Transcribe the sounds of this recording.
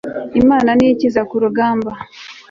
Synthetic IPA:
imaːnaniicizakuɾuɡaːmba

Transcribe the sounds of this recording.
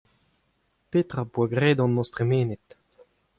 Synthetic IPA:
peːt̪ʁabuaɡʁeːd̪ɑ̃nːɔst̪ʁemeːnet̪

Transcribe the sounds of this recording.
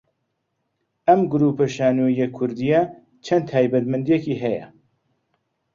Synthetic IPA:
ʔɐmɡʊɾuːpɐʃaːnujekʰːʊɾd̪ijɐ | t͡ʃʰɐnt̪ʰaːjbɐt̪mɨnd̪ijekiːɦɛjɐ̰

